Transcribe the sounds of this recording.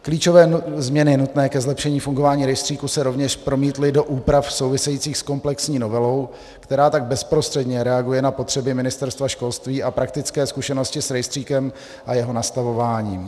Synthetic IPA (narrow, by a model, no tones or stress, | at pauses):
kliːt͡ʃo̞vɛːzmɲɛnɪnut̪nɛːkɛzlɛpʃɛɲiːfuŋɡo̞vaːɲiːɾɛjst̪r̥iːkusɛɾo̞vɲɛʃpɾo̞miːt̪lɪdo̞ʔuːpɾafso̞wvɪsɛjit͡siːxsko̞mplɛksɲiːno̞vɛlo̞w | kt̪ɛɾaːt̪aɡ̚bɛspɾo̞st̪r̥ɛdɲɛɾɛaɡujɛnapo̞t̪r̝̥ɛbɪmɪnɪst̪ɛɾst̪vaʃko̞lst̪viːʔapɾak̚t̪ɪt͡skɛːskuʃɛno̞scɪsɾɛjst̪r̥iːkɛm | ʔajɛɦo̞nast̪avo̞vaːɲiːm